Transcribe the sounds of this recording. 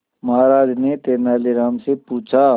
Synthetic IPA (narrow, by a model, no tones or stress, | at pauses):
mɐɦaːɾaːd͡ʒnet̪eːnaːliɾaːmsepuːt͡ʃʰa